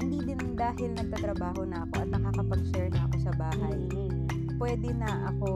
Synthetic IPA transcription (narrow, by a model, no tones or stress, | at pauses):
hɪnd̪id̪ɪnd̪aːɦɪlnɐɡ̚t̪at̪ɾɐbaːɦo̞nɐʔɐko̞ʔɐt̪̚nɐkakɐpɐɡ̚ʃɛɹnɐʔɐko̞sɐbaːɦɐj | pwɛːd̪ɛnɐʔɐko̞